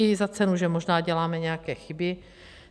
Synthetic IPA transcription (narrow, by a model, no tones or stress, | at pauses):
izat͡sɛnuʒɛmoʒnaːɟɛlaːmɛɲɛjakɛːxɪbɪ